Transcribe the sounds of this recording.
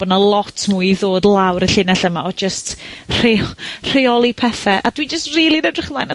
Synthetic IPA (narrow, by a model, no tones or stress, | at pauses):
b̥ɔnalˠɔtʰmuðoːdlˠawɾəɬɪnɛɬəmaɔd͡ʒəstr̥er̥eɔlˠipʰɛθɛʔad̥wid͡ʒəstriːlˠinɛdrɪχmajna